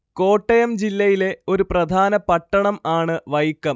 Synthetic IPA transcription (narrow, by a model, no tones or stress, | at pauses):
ko̞ːʈːɐjɐmd͡ʑilːɐjile̞o̞ɾuprɐd̪ʱaːnɐpɐʈːɐɳɐmaːɳɨʋɐjikːɐm